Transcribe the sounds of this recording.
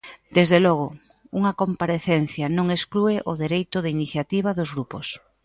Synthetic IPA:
d̪ezðelɔɣ̞ʊ | uŋɐkompaɾeθenθjanõŋesklueʔoðeɾejt̪ʊðɪiniθjat̪iβ̞aðozɣɾupos

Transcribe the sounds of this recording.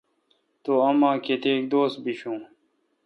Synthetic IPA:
t̪oɐmãːket̪eːk̚d̪oːst̪̚biɕũː

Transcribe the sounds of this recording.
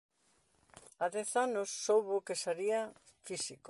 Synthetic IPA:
aðɛθanosːowβokesaɾia | fisik

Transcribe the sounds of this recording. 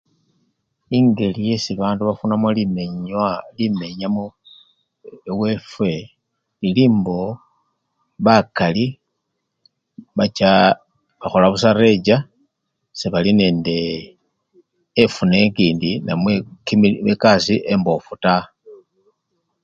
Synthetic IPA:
iŋɡe̞lije̞siβaːnduβafunamolimeɲalime̞ɲamo | ewe̞fwe̞ | liliːmbo̞ | βakali | βat͡ʃa | βaxolaβus̬aɾe̞d͡ʒa | seβaline̞ːnde̞ | funekiːndinamwekiekasiʔe̞mbo̞futa

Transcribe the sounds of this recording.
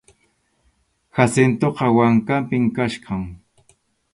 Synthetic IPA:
xasɪnt̪oqɑwaŋkampɪŋkaʃqɑŋ

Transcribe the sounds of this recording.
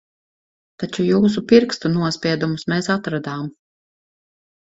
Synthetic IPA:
t̪at͡ʃujuːs̬upiɾkst̪unuɔspʲiɛd̪umusmɛsat̪ɾad̪aːm

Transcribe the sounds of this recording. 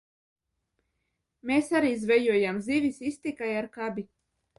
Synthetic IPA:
meːsaɾiːzvɛjuɔjamzivisist̪ikajaɾkabʲi

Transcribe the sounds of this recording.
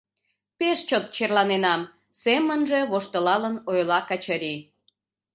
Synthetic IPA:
peʃt͡ɕot̪̚t͡ɕerlɑnenɑm | semənʒe̽βoʃt̪əlɑlənojlɑkət͡ɕəɾi

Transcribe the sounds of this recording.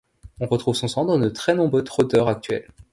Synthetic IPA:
ɔ̃ʁət̪χuvsɔ̃sɑ̃d̪ɑd̪ət̪χɛnɔ̃bʁøt̪χot̪œʁak̚t̪ɥɛ̰l

